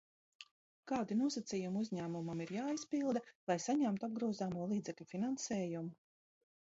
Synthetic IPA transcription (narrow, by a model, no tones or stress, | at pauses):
kaːd̪inuɔsat̪sijumuzʲɲæːmumamiɾjaːispilˠd̪alajsaɲamt̪ab̚ɡɾuːzaːmuɔːlˠiːd̪zɛklʲʎʲufinansɛːjumu